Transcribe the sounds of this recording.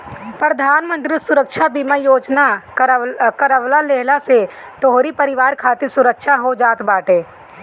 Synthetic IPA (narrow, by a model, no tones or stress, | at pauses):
pɾəd̪ʱaːnmə̃nt̪ɾisʊɾəkʃabiːmajoːd͡ʒna | kəɾəʋlaleɦlase | t̪oɦoɾipəɾɪʋaːɾkʰaːt̪ɪɾsʊɾəkʃaɦod͡ʒaːt̪baːʈeː